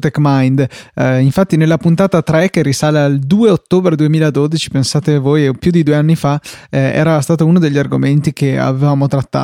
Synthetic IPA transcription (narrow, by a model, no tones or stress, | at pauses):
t̪ɛkmajnd̪iɱfat̪ːinelːapunt̪aːt̪at̪ɾɛkerisaːleald̪uːeot̪ːoːbɾed̪uemiːlad̪od̪it͡ʃi̥pensaːt̪evoːjpjud̪id̪ueanːifaɛ̰ːɾast̪aːt̪ounod̪eʎːiarɡoment̪ik̟ea̰vevaːmot̪ɾat̪ːa̰ː